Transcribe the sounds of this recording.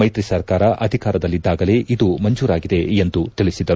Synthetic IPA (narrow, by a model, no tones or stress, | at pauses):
ɐjt̪ɾisɐɾkaːɾɐʔɐd̪ʱikaːɾɐd̪ɐlːid̪ːaːɡɐle̞ːʔid̪umɐɲd͡ʒuːɾaːɡid̪e̞end̪ut̪iɭisid̪ɐɾu